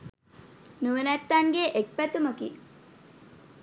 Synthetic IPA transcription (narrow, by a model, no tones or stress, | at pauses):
nuʋənæt̪ːaŋɡeʔek̚pæt̪uməkḭ